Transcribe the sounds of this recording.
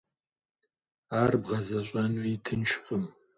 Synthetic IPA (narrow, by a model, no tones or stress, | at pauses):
aːrbʁɐzɐɕʼɐnuitʰɨnt͡ʃʰɪqʼəm